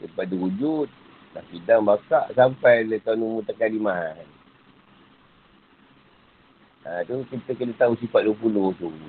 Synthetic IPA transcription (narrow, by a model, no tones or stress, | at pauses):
səpadəud͡ʒut̪̚ | la̰hbidaŋbakaʔsampajlək̪awnumut̪əkalimaɦan | at̪ukit̪əkənət̪aus̬ifat̪̚duəpulot̪u